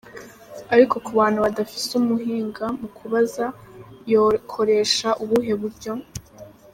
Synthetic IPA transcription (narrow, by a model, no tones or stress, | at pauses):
aɾiko̞kuβaːn̥huβadafi̥sumuɦiːŋɡamukʰuβazajokʰo̞ɾe̞ːʃaʔuβuɦe̞βuɾɟo̞